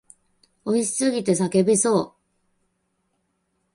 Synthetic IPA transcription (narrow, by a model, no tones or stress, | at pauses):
o̞iɕi̥sɨɡʲit̪e̞sake̞bʲiso̞ː